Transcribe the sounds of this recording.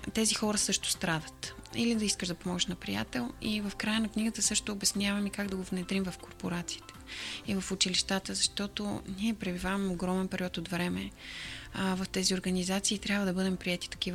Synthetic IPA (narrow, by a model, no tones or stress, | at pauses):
t̪ɛzixɔɾəsɤʃt̪ʊ̥st̪ɾad̪ət̪ḭlid̪ɐiskəʒd̪ɐpomɔɡʒəʃnɐpɾḭja̰t̪ɛlˠivɐfkɾajənɐkniɡət̪əsɤʃt̪oːbɛsnʲjavɐmikaɡd̪ɐɡovnɛd̪ɾimvɐfkoɾpoɾat̪si̥ːt̪ɛ̥ivɐfut͡ʃiliʃt̪at̪əzɐʃt̪ɔt̪o̰niɛpɾɛbivavɛmoɡɾɔmɛnpɛɾiɔt̪ot̪vɾɛmɛ | vɐft̪ɛzioɾɡɐnizat̪siːt̪ɾʲabvəd̪ɐbɤd̪ɛmpɾiɛt̪i̥t̪ɐ̥kiv